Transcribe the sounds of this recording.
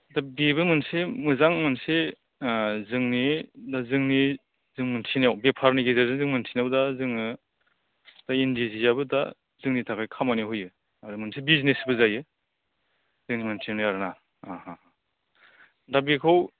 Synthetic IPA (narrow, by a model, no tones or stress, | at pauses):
dabiβɯmɯnsemɯzaŋmɯnse | zɯŋnidazɯŋni | zɯŋmɯntʰinjawbepʰaɾniɡezazɯŋzɯŋmɯntʰinabdazɯŋɯ | d̥aindizijabɯda̰ | zɯŋnitʰakʰajkʰamaniɦujɯ | aɾɯmɯnsebiznesbɯzajɯ | z̥ɯŋnimɯntʰiniaɾɯna | ahaha | dabikʰaw